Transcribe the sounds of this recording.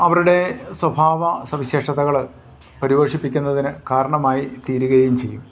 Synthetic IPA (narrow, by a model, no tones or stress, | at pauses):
ɐʋɐɾuɽe̞swɐbʱaːʋɐsɐʋiɕeːʂɐðɐɣɐɭ | pɐɾiʋoːʂipːikʲːunːɐðinɨkaːɾɐɳɐmaːjit̪iːɾuɣɐjumt͡ɕejːum